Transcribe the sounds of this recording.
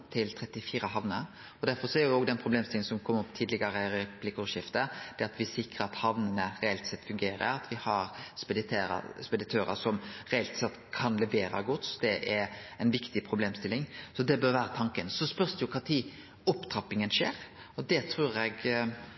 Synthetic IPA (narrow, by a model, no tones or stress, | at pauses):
t̪ʰɪlt̪ʰɾɛt̪ːɪfiːɾəɦɑʋnə | ɔd̪æɾfɔɾsɔæɾjoːɡd̪ɛnpʰɾʊbleːmst̪ɪlɪŋənsɔmkʰɔmːɔpːt̪ʰiːd̪lɪɡəɾəɾɛplɪkɔʂɪft̪əd̪̥ɛɑt̪ʋɪsɪkɾəɾɑt̪hɑʋnənəɾɛɛlt̪sɛt̪ːfʉŋɡeːɾə̰ɾɑt̪ʋɪhɑɾspɛd̪ɪt̪ʰeːɾ̰spɛd̪ɪt̪ʰøːɾə̰sɔmɾɛɛlt̪sɛt̪ːkʰɑnlɛʋeːɾɑ̰ɡɔt̪sd̪ɛʔæɾɛɪnʋɪkt̪ɪpʰɾʊbleːmst̪ɪlːɪŋsɔd̪ɛbøːɾʋæːɾət̪ʰɑŋkənsɔspœɾsd̪ɪʊkʰɾɑt̪ʰiː | ɔpt̪ɾɑpːɪŋənʂeːɾ | ɔd̪ɛt̪ʰɾʉːɾɛɡ